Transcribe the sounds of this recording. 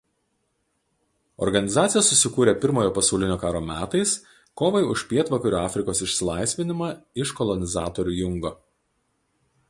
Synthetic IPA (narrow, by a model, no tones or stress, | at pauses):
ɔ̰ɾɡɐnʲɪzɑːt̪sʲɪjɛsːʊsʲɪkuːɾʲeːpʲɪɾmoːjoːpɐsɐʊlʲɪnʲoːkɑːɾoːmʲæːt̪ɐɪs | koːʋɐɪʊʃʲpʲiɛt̪ʋɐkɐɾʲuːɑːfʲɾʲɪkoːsɪʃʲsʲɪlˠɐˑɪsʲʋʲɪnʲɪmɑɪʃkɔlˠɔnʲɪzɑːt̪ɔɾʲuːjʊŋɡoː